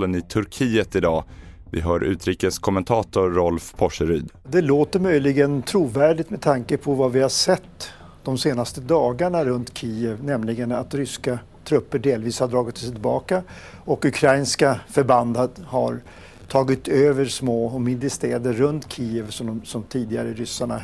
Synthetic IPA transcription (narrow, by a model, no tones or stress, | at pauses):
lənɪt̪ʰɵɾkʰiːət̪ɪd̪ɑː | vɪ̰ɦœːɾʔʉ̟ːt̪ɾiːkəskʰɔmɛnt̪ʰɑːt̪ʊɾɔlfpʰɔʂəɾyːd̪ | d̪ɛloːt̪əɾmœjlɪɡənt̪ʰɾuːvæːɖɪt̪mɛt̪ʰaŋkəpʰɔvavɪhaʂɛt̪ː | d̪̥ɔmseːnast̪əd̪ɑːɡaɳaɾɵnt̪kʰiːɛvnɛmlɪɡəna̰t̪ɾʏska | t̪ʰɾɵpːəɖeːlviːshad̪ɾɑːɡɪt̪sɛjt̪ʰɪlbɑːkaɔkɵkʰɾajnskafœɾband̪ad̪ha̰ɾ | t̪ʰɑːɡɪt̪øːvəɾsmoːɔmɪd̪ɾəst̪eːd̪əːɵnt̪kʰiːɛvsɔmsɔmt̪ʰiːd̪ɪɡaɾəɾʏsːaɳa̰